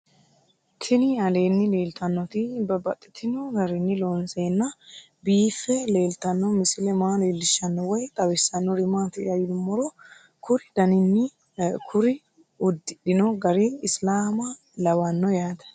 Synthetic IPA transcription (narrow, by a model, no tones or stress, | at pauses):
kʰɪnɪɐleːnːɪle̞ːlt̪ʰɐnːɔt̪ɪbɐbɐt̪ʼːɪ̥t̪ʰːɪnɔɡɐɾɪnːɪlonse̞ːnːɐ | biːfːɛle̞ːlt̪ɐnːɔmɪsɪlɛmaːleːlːɪʃːɐnːɔwɔjt̪ʼɐwɪsːɐnːɔɾɪmaːt̪ɪɐjɪd̪ʊmːɔɾɔ | kʰʊɾɪd̪̥ɐnɪnːɪ | kʰʊɾɪ | ʊd̪ːɪɗɪnɔɡɐɾɪːslaːmɐ | lɐwɐnːɔjaːd̪ɐ̥